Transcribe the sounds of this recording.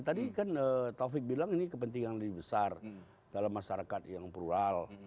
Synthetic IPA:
t̪adikanət̪ofɪk̚bilaŋinikəpənt̪iŋanləbibəsar | d̥alamːaʃaɾakat̪jaŋpɾual

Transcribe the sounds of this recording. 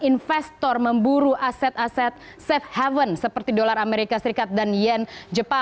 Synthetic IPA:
infɛst̪ɔrməmbuɾuʔasɛt̪asɛt̪̚ | sɛfhavənsəpərt̪idolarameɾikasəɾikat̪̚danjɛnd͡ʒəpa

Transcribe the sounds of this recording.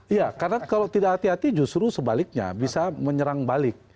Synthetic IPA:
ijakarənakalowt̪idakhat̪iɦat̪id͡ʒust̪ɾusəbalɪk̚ɲa̰bisaməɲəɾaŋbalɪk̚

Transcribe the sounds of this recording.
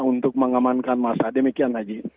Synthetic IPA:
unt̪ʊk̚məŋamankanmasadəmikianlaɡi

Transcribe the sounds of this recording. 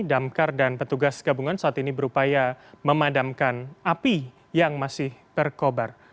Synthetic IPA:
damkardanpət̪uɡasɡabuŋansəat̪inibəɾupajaməmadamkanapi | jaŋmasɪhbərkobar

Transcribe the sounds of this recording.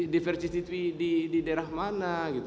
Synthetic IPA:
difɛrsisit̪widididɛɾahmanaɡit̪u

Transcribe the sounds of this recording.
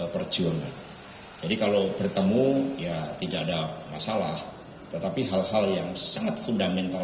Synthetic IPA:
əpərd͡ʒuaŋan | d͡ʒadikalobərt̪əmujat̪idaːdamasalah | t̪ət̪apiɦalhaljaŋsaŋat̪̚fundamɛnt̪a

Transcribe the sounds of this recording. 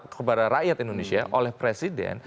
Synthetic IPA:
kəpadaɾaʔjat̪indonesiaʔolɛhpɾesidɛ̰n

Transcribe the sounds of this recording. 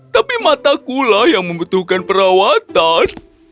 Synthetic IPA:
t̪apimat̪akulahjaŋməmbut̪uhkanpəɾawat̪an

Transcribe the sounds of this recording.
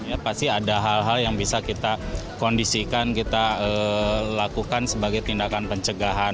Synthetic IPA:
japast̪iadaɦalɦaljaŋbisakit̪akondisikankit̪aəlakukansəbaɡajt̪indakanpəɲt͡ʃəɡaɦa

